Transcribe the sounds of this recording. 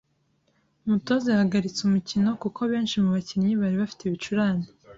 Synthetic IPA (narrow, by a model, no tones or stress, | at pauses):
muto̞zehaɡaɾit͡sumucino̞kukʰo̞βe̞ːnʃimuβaciɲɲiβaɾiβafi̥teβit͡ʃuɾaːne